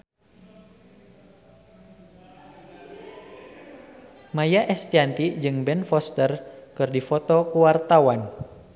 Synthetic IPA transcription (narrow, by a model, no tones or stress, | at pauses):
majaʔɛst̪iant̪id͡ʒɨŋbɛnfɔst̪ərkɨrdifɔt̪ɔkuwart̪awan